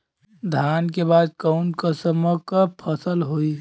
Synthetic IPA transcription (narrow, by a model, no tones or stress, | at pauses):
d̪ʱaːnkebaːd̪̚kəʊnkəsəməkapʰəsəlɦoi